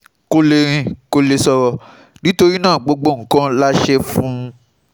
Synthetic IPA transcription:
ko˧le˧ɾ̃ĩ˧ko˧le˧sɔ˧ɾɔ˧ | nĩ˨˦to˧ɾi˦nãː˦˨ɡ͡bo˧ɡ͡bo˧˨ŋ̩˦kã˦la˦ʃɛ˦fũ˦

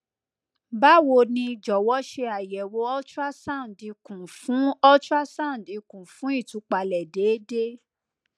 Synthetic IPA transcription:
ba˦wo˧˨nĩ˧d͡ʒɔ˨wɔ˦ʃe˧a˨jɛ˨wo˨˦ɔ˦t͡ʃa˦sã˦˨di˨˧kũ˨fũ˨˦ɔ˦t͡ʃu˦a˦sã˦˨di˧kũ˨fũ˨˦i˦˨tu˨˦k͡pa˧lɛ˨de˨˦de˦

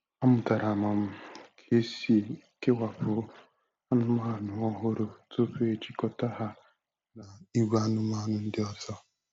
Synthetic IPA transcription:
a˦mʊ˨ta˨ɾa˨ma˨m̩˨kʰe˦si˨ke˦wa˨ɸʊ˨˦ | ha˦nʊ˦ma˦ɦa˨nu˨o˦ɦo˦ɾo˨to˦ɸe˦t͡ʃi˦kɔ˨ta˦ha˦ | na˨i˦ɡʷa˦nʊ˦m˦a˦nʊ˦n̩˦dɪ˦ɔ˦zɔ˦

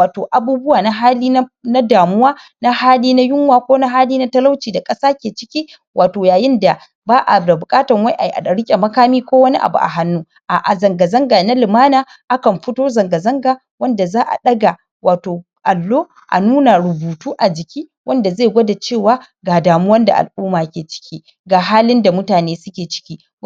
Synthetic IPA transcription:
waː˨toː˨ʔa˨buː˦bʊ˦waː˨na˦ɦaː˦liː˦na˦daː˨mʊ˦waː˦na˦haː˦liː˦na˦jʊ˦ŋwaː˨kʷoː˦na˦ɦaː˦liː˦na˦tɐ˦la˦wt͡ʃiː˨da˨kʼɐ˦saː˦kʲeː˨t͡ʃɪ˦kʲiː˦ | wʔaː˨toː˨jaː˨jɪ˦nda˨ | baː˦ʔa̰˨da˨bʊ˨kʼaː˦tɐ˨ŋwa˦jʔa˨ji˨ʔa̰˨dɐ˨ɽɪ˦kʲʼe˨mɐ˦kaː˦miː˦kʷoː˦wɐ˦ni˦ʔa̰˨bṵ˨ʔa̰˨ɦa˦nːuː˦ | ʔa˨ʔa˨zɐ˨ŋɡɐ˨zɐ˦ŋɡaː˨na˦lɪ˨maː˦naː˨ | ʔa˦kɐ˨mɸɪ˦toː˦zɐ˨ŋɡɐ˨zɐ˦ŋɡaː˨ | wɐ˦nda˨zaː˦ʔa̰˨ɗɐ˦ɡa˨ | waː˨toː˨ | ʔa˨lːoː˦ | ʔa̰˨nuː˦na˨ɽʊ˨buː˨tuː˦ʔa˨d͡ʒɪ˨kʲiː˦ | wʔɐ˦nda˨zeː˦˨ɡʷɐ˦da˨t͡ʃeː˦˨waː˦ | ɡaː˨daː˨mu˦wɐ˦nda̰˨ʔa̰˨lʔu˦maː˨kʲeː˨t͡ʃɪ̥˦kʲiː˦ | ɡaː˨ɦaː˦lɪ˦nda˨mʊ˦taː˨neː˦sʊ˦kʲeː˨t͡ʃɪ̥˦kʲiː˦

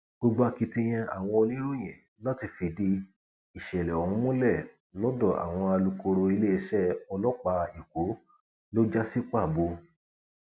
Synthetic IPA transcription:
ɡ͡bo˧ɡ͡bo˧a˧ki˧ti˧j̃ɛ̃˧a̰˨w̃ɔ̃˧o˧li˦ɾo˦˨j̃ɛ̰̃˨ | la˦ti˧fi˧˨di˧ | i˨ʃɛ˨lɛ˨ɔ̃˨ũ˧˦mũ˦lɛ˦˨ | lɔ˦dɔ˦˨a̰˨w̃ɔ̃˧a˧lu˧ko˧ɾo˧i˧le˦i˧˦ʃɛ˦ɔ˧lɔ˦k͡pa˧i˨ko˨˦ | lo˦d͡ʒa˦si˦k͡pa˦˨bo˧

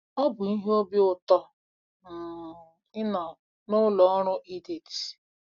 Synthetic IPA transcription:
ɔ˦bʊ˨i˦ɦe˦o˦bi˦ʊ˨tɔ˦ | m̩˨ | ɪ˦na˨ | nʊ˦lɔ˨ɔ˦ɾʊ˦ʔi˦de˨ti̥˨

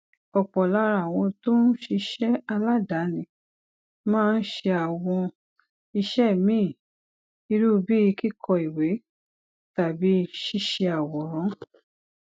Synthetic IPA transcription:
ɔ˨k͡pɔ˨la˨˦ɾa˨w̃ɔ̃˧to˦n̩˦ʃi˧ʃɛ˦a˧la˦da˨˦nĩ˧˨ | mãː˦˧n̩˦ʃe˧a˨w̃ɔ̃˧ | i˧ʃɛ˦˨mĩː˦˨ | i˧ɾu˦˨˧bi˦i˧ki˦kʰɔ˧i˨we˨˦ | ta˨bi˨˦˧ʃi˧ʃe˧a˨wɔ˨ɾ̃ɔ̃˨˦

